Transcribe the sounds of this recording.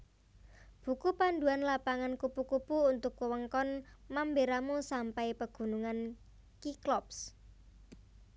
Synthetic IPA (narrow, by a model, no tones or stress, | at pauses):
b̥ṳkupand̪uanlapaŋankupukupuːnt̪ʊkwəwəŋkɔnmambeɾamusampajpəɡ̥ṳnuŋan | kiklɔps